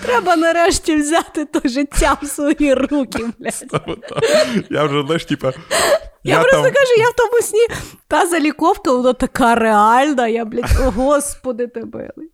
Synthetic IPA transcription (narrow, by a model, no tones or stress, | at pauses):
t̪ɾɛbɐnɐɾɛʃtʲiwzʲat̪ɪt̪ɔʒɪtʲːamsʋɐjirukʲɪmlʲat̪ʲmt̪ajawʒɛznɐʃtʲipɐ | jappɾɔst̪ɔkɐʒujawt̪ɔmʊsʲnʲit̪azɐlʲikɔwkɐbʊnˠat̪ɐkɑreɑlʲnɐjablʲɪɔɦɔspɔd̪ɪt̪ɪbɪ̰lˠɪ